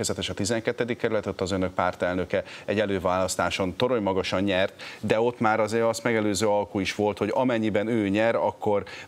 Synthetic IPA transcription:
ɛzɛt̪ɛʃɒt̪izɛŋkɛt̪ːɛd̪ikːɛɾylɛt̪ot̪ːɒzø̞nøk̚paːrt̪ɛlnø̞kɛɛɟɛløːvaːlɒst̪aːʃo̞nt̪o̞ɾo̞jmɒɡɒʃɒɲɲɛrt̪d̪ɛo̞t̪ːmaːɾɒzeːɾɒst̪mɛɡɛløːzøːɒlkuiʃʋo̞lt̪ho̞ɟɒmɛɲːibɛnøːɲɛɾɒkːo̞r

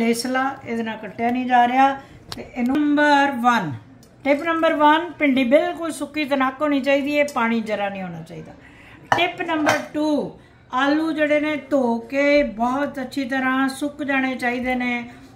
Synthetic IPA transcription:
leːslaːɪd̪nãːkəʈʰːejaːnĩːd͡ʒaːɾejaː | t̪eːʔnəmbəɾʋən | ʈɪpnəmbəɾʋənpɪɳɖiːbɪlkoːisʊkːiːt̪ənaːkɦoːñiːt͡ʃaːiːd̪iːeːpaːɽ̃iːd͡ʒəɾaːnĩːɦoːñaːt͡ʃaːiːd̪aː | ʈɪpnəmbəɾʈuː | aːluːd͡ʒeːɽeːnẽːt̪oːkeːbɔːt̪ətːʃʰiːt̪̬əɾãːsʊkd͡ʒaːɽ̃eːt͡ʃaːiːd̪eːnẽː

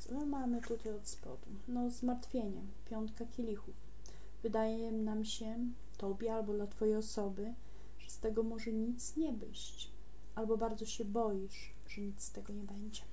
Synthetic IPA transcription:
mamɘt̪ut̪ajɔt̪spɔ̰d̪u | nɔzmaɾt̪fʲjeɲɛ | pʲjɔnt̪kakʲelʲixuf | vɘd̪ajɛnamɕɛ | t̪ɔbʲjɛalbɔd̪lat̪fɔjejɔsɔbɘ | ʐ̥ɛst̪ɛɡɔmɔʐɛɲit̪sɲɛbɘ̰ɕt͡ɕ | albɔbaɾd̪zɔɕɛbɔjiʂ | ʐ̥ɛɲit̪st̪ɛɡɔɲɛbɛɲd͡ʑɛ

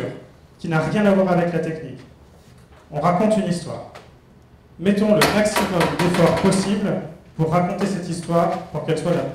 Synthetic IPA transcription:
ʁ | kʲinaʁjɛ̃navwaʁavɛklat̪ɛknik | ɔ̃ʁakɔ̃t̪ynist̪wa̰ːʁ | mɛt̪ɔ̃ləmaksimɔmd̪efɔʁpɔsiblpuʁːakɔ̃t̪esɛt̪ist̪waʁpuʁkɛlswala

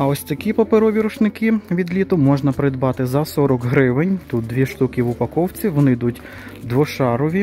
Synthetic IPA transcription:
ɐɔsʲt̪ɐkʲipɔpeɾɔʋʲiɾʊʃnɪkɪʋʲid̪lʲit̪ʊmɔʒnɐpɾɪd̪bɑt̪ɪzɐsɔɾɔkɦɾɪʋɪnʲt̪ut̪̚d̪ʋʲiʃt̪ukʲiʋʊpɐkɔwt͡sʲiʋɔnɪd̪utʲ | d̪ʋɔʃɑɾɔʋʲi

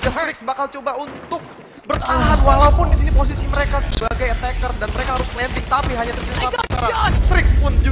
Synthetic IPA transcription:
d͡ʒast̪ɾɪksbakalt͡ʃobaunt̪ʊk̚ | bərt̪aɦanwalaupʊndisinipos̬isiməɾekasəbaɡajt̪ɛkərdanməɾekahaɾʊslɛnt̪ɪk̚t̪apiɦaɲat̪ərsit̪atskaɾast̪ɾɪkspʊnd͡ʒu

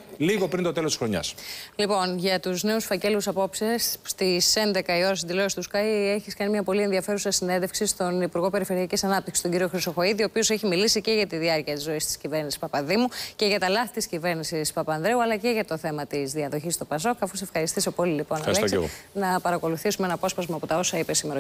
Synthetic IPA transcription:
liɣo̞pɾint̪o̞t̪elot̪i̥sxɾo̞ɲɐ̰slipo̞nʝɐt̪uzneusfɐce̞lusɐpo̞psesst̪ise̞nd̪e̞kɐio̞ɾɐs̬ind̪ilo̞st̪uskɐieçiskɐnimɲɐpo̞lie̞nðiɐfe̞ɾusɐsinnðefksist̪o̞nipuɾɣo̞pe̞ɾife̞ɾiɐcisɐnɐp̚t̪iksi̥stoɲɟiɾio̞xɾiso̞xo̞iðio̞ːpio̞se̞çimilisice̞ʝɐt̪iðiɐɾciɐt̪izo̞ist̪i̥scive̞ɾnisi̥spɐpɐðimuce̞ʝɐt̪ɐlɐθit̪iscive̞ɾnisispɐpɐnðɾe̞uɐlɐce̞ʝɐt̪o̞θe̞mɐt̪izðiɐðo̞çist̪opɐs̬o̞kɐfus̬e̞fxɐɾist̪iso̞po̞lilipo̞nɐlḛnɐpɐɾɐko̞luθisumeenɐpo̞spɐzmɐːpo̞t̪ɐo̞sɐipesimeɾo

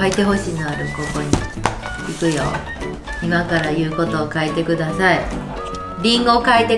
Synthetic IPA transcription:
ait̪e̞ɦo̞ɕiːnoaɾɯ̟ko̞ko̞ɲ̟i | ikɯ̟jo̰ | imakaɾajɯ̟ːko̞t̪o̞ːkaet̪e̞kɯ̟d̪asai | ɾʲĩŋɡokaet̪e

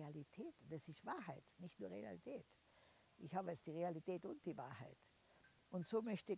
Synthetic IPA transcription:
alitʰɛːtd̥ɛsɪstvaːɐɦaɪtnɪçtnuːɐʁea̰litʰɛːt | ʔɪçhaːbəɛsd̥iːʁealitʰɛːtʊnt̚d̥iːvaːɐhaɪt | ʔʊntsoːmœçtə

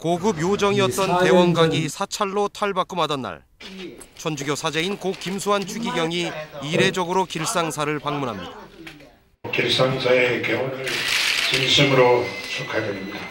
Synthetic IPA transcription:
koɡɯbjod͡ʑʌŋiʌt̚t͈ʌnte̞wʌnɡaŋɡisʰat͡ɕʰaɭːotʰaɭbak͈ɯmɦadʌnːa̰ɭ | t͡ɕʰʌnd͡ʑuɡjosʰad͡ʑe̞inkok͈imsʰuɦant͡ɕʰuɡiɡjʌŋiiɾe̞d͡ʑʌɡɯɾokiɭs͈aŋsʰaɾɯɭpaŋmunɦamɲḭd̥ḁ | kiɭs͈aŋsʰaekeʌnɯɭt͡ɕinɕʰimɯɾot͡ɕʰokʰadeɾimɲida

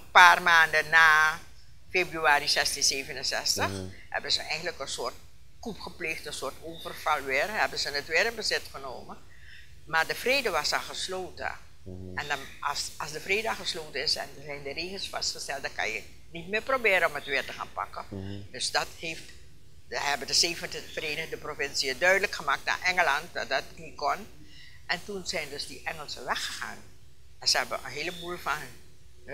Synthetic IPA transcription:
paːrmaːndənaː | feːbryaːɾizɛstinzeːvənənsɛstəx | hɛ̰bənzəʔɛjɣəntləkənsʊːrt̚ | kupχəpleːxtənsʊːrtoːvərv̥ɑlˠʋɪːrɦɛbəzənətʋɪːɾənbəzɪtχəno̰ːmə | maːrdəfreːdəʋɑsaxəsloːtə̰ | ɛndɑn | sɑsdəfreːdəaxəsloːtəɪsɛ̰ntunzɛjndəreːχəlˠsfɑ̰stχəstɛlˠt̚dɑŋkɑ̰njə | nit̚mɪːɹprobɪːɾəɔmətʋɪːɹtəχa̰ːnpɑ̰kədɵsdɑtheːft | əɛbəndəzeːvəntəv̥əreːnəχdəprofɪnsiədœɥdələkχəmaːk̚tna̰ːɹʔɛŋəlɑnt̚dɑ̰t̚dɑt̚nikɔn | ʔɛntunzɛjndɵzdiʔɛŋəlˠsəʋɛχəχa̰ːn | ɛnzəɦɛbəʔə̰nɦeːləbulˠfɑn

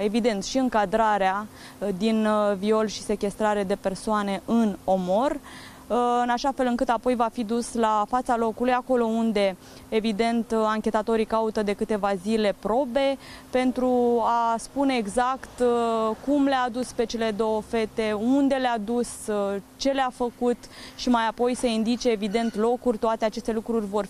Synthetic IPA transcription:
e̞vid̪e̞nt̪ʃiɨŋkad̪ɾaɾea | d̪invio̞lʃi̥se̞kʲe̞st̪ɾaɾe̞d̪e̞pe̞rsoane̞ʔɨno̞mo̞r | ɨnaʃafe̞lɨŋkɨt̪apo̞jvafid̪uslafat̪salo̞kulujako̞lo̞und̪e̞ | evid̪e̞nt̪aŋkʲe̞t̪at̪o̞ɾikaut̪əd̪e̞kɨt̪e̞vazile̞pɾo̞be̞pe̞nt̪ɾuaspune̞ːɡzakt̪kumlead̪uspe̞t͡ʃe̞le̞d̪o̞wəfe̞t̪e̞und̪e̞lead̪ust͡ʃe̞leafəkut̪ʃimajapo̞jse̞ind̪it͡ʃe̞ːvid̪e̞nt̪lo̞kurʲt̪oat̪e̞at͡ʃe̞st̪elukɾurʲvo̞r

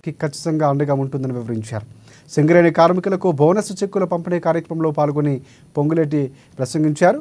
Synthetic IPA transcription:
kikɐt͡ʃːi̥t̪ɐŋɡaːɐɳɖɐɡaːuɳʈund̪ɐniʋiʋɐɾiɲt͡ʃa̰ːɾu | seŋɡɐɾeːnikaːɾmikulɐkubʱɐːwnɐsɐt͡ʃekːulɐpɐmpiniːɐkaːɾjɐkɾɐmɐmlo̞ːpaːluɡoni | poŋɡuleːʈ̬i | pɾɐsɐŋɡiɲt͡ʃaːɾu

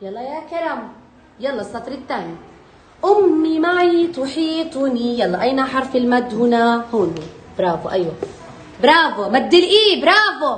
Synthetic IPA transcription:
jɑlˤːɑjakaɾˤaːm | jɑlˤːɑsːɑt̪ˤɾˤit̪ːaːni | ʔʊmːimaʕjt̪ˤwʊħiːt̪ˤunijɑlˤːɑʔajnaħɑɾˤfilmad̪ːhunahunib̥ɾˤɑːvoʔajwa | bɾˤɑːvomad̪ːilʔiːbɾˤɑːbo

